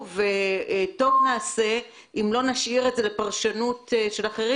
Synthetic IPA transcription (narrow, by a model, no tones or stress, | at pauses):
veto̞vnaːse̞ | imlo̞naʃiʁetze̞lepaʁʃanutʃe̞laχeʁi